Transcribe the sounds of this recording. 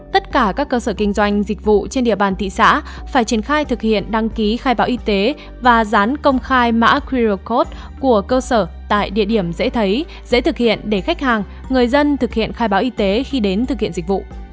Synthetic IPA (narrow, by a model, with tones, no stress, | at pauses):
t̪ə˦˥t̚kaː˧˩kaː˦˥kːəː˧səː˧˩kï˧ŋ̟zwa˧jŋ̟zï˨˩k̟̚vṵ˧˨t͡ɕe˧nɗḭ˧˨əɓaː˨˩nt̪ḭ˧˨sa̰ː˧˥ | faː˧˩jt͡ɕi˧˩ənxaː˧jt̪ʰɨ˨˩k̚hḭ˧˨ənɗa˧ŋki˨˦xaː˧jɓaː˨˦wʔi˧t̪e˨˦ | vaː˨˩zaː˨˦nkə˧wŋ͡mxaː˧jma̰ː˧˥kwi˧zo˧˩ko˦˥t̚ | ku˧˩əkəː˧səː˧˩t̪a̰ː˧˨jɗḭ˧˨əɗi˧˩əmzḛ˧˥t̪ʰə˨˦j | zḛ˧˥t̪ʰɨ˨˩k̚hḭ˧˨ənɗe˧˩xa˦˥k̟̚haː˨˩ŋ | ŋɨ˨˩əjzə˧nt̪ʰɨ˨˩k̚hḭ˧˨ənxaː˧jɓaː˨˦wʔi˧t̪e˨˦xi˧ɗe˨˦nt̪ɨ˨˩k̚hḭ˧˨ə˨zi˨˩k̟̚vṵ˧˨